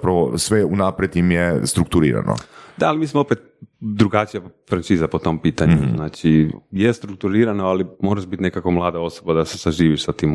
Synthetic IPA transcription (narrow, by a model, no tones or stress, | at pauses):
apɾaʋosʋeunapɾet̪imjest̪ɾuk̚t̪uɾḭːɾa̰no̰d̪̥aːlimiːsmoopet̪̚ | d̪ɾuɡat͡ʃijafɾant͡ʃiːzapo̞t̪o̞mpiːt̪aɲuznaːt͡ʃijest̪ɾuk̚t̪uɾiːɾanoalimo̞ɾaʒbit̪ne̞kako̞mlˠaːd̪ao̞sobad̪asesaʒiːʋiʃsat̪iːm